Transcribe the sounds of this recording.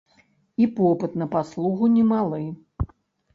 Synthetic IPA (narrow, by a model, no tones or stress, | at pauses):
ipɔpɨt̪nɐpaslˠuɣunʲɛmalˠɨ